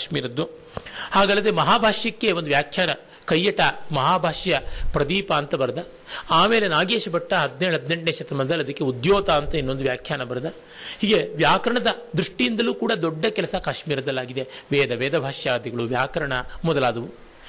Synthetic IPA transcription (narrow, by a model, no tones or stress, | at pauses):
ʃmiːɾɐd̪ːu | haːɡaːlːɐd̪emɐɦaːbʱaːʂjɐkːeond̪uʋjaːkʰjaːnɐ | kɐjːɐʈːɐmɐɦaːbʱaːʂɐjɐpɾɐd̪iːpaːnt̪ɐbɐɾɐd̪ɐ | aːmeːlenaːɡeːʂɐbɐʈːɐɦɐd̪neɦɐd̪ne̞ɳʈneːʃɐt̪ɾɐmɐnd̪ɐlɐd̪ɐkːeud̪joːt̪aːnt̪ɐinːo̞nd̪uʋjaːkʰjaːnɐbɐɾɐd̪ɐ | hiːɡe̞ʋjaːkɐɾɐɳɐd̪ɐd̪ɾuʂʈijind̪ɐluːkuːɽɐd̪ɔɖːɐkɛlɐsɐkaːʂmiːɾɐd̪ɐlːaːɡid̪e̞ʋeːd̪ɐʋeːd̪ɐbʱaːʂjaːd̪jɐɡɐɭuʋjaːkɐɾɐɳɐmɔd̪ɐlaːd̪ɐʋu